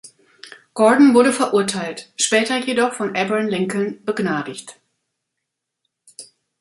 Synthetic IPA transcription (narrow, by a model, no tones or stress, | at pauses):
ɡ̥ɔɐdn̩vʊɐɾəfɛɐʔʊɐtʰaɪltʃpɛːtɐjedɔχfɔnʔɛbɛnlɪŋkl̩nbəɡnaːdɪçt